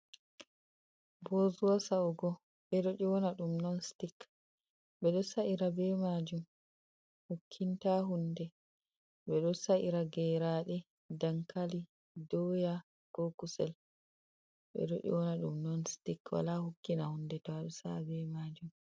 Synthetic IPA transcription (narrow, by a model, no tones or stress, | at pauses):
bozuwasauɡɔ | ɓɛɗoɗiwɔnaɗumnɔnstik | ɓɛɗɔsaʔiɾabɛmad͡ʒum | hukʰːintaɦundɛ | ɓɛɗɔsaʔiɾaɡɛɾaɗɛ | daŋkali | dɔja | ɡ̥okusɛl | ɓɛ̰ɗo̰ʔḭwɔnaɗṵmnɔnstikwa̰lahukːinahundɛtɔaɗɔsabɛmaːd͡ʒum